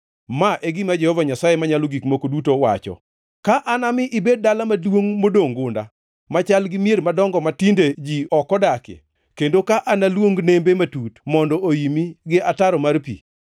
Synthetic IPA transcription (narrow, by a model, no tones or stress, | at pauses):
maʔeɡɪmad͡ʒɛhɔvaɲasajemaɲalɔɡikmokodutowa̰t͡ʃɔ̰ | kaʔanamɪʔɪbed̚dalamadwoŋmodoŋɡʊnda̰ | mat͡ʃalɡɪmjeɾmadɔŋɡɔmatinded͡ʒiɔkɔdakḛ | kendokaʔanalwoŋɡnembematutmɔndɔʔojimiɡɪʔataɾɔmarpḭ